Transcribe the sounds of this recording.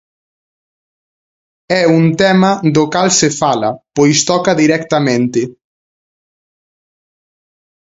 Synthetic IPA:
ɛunt̪ɛmɐd̪okalsefalɐ̰pojst̪ɔkɐðiɾɛkt̪ɐmẽnt̪ɪ

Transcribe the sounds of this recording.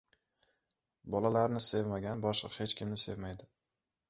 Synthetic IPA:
bɒlalaɾnɪse̞vmaɡʲanbɒʃɨ̰qhe̞t͡ʃkʲʰɪmnɪse̞vmajd̪ɪ

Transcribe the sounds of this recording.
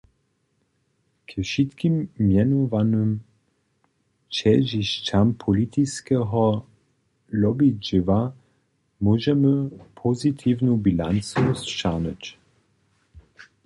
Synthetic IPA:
kʰəʃit̪kimːjɛnovanəm | t͡ʃɛʒiʃt͡ɕampʰɔlit̪ʰiskɛɦɔ | lɔbid͡ʒiva | mɔʒɛməpʰozit̪ʰivnubilant͡susʃaʁnət͡ɕ

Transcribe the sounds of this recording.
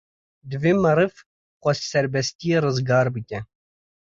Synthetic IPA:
d̪vimɐɾɨf | qɔssɛɾbɛsʲt̪ʲiɾɨzɡɑːɾbɨcʲɛ

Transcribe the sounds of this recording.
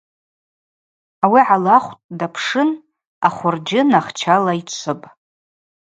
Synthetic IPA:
awiʕalaχʷtʼdapʰʂɨn | aχʷʊrd͡ʒɪnaχt͡ʃʰalait͡ʃʷʰɨpʼ

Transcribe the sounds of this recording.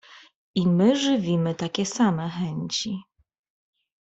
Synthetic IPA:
imɘʐɘvʲimɘt̪akʲɛsamɛxɛɲt͡ɕi

